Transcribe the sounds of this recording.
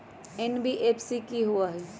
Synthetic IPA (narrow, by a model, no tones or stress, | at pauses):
enbiʔeːpʰsikiɦuaɦɛ